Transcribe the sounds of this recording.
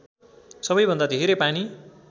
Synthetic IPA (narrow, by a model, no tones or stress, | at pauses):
sʌbʌjbʱʌnd̪ad̪ʱeɾepani